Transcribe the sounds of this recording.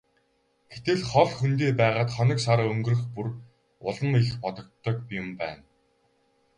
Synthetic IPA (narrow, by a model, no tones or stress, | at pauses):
ɡ̥et̪ɘ̆ɮχɔɮxunt̪̬eːpæːʁaːt̪χɔnʲɞ̆ksaɾaːɵŋɡɵ̆rɵ̆xpur | ʊɮɞ̆niɮxpɔt̪ɞ̆k̚t̪ʰːɞ̆kpjʊmpæ̰ːn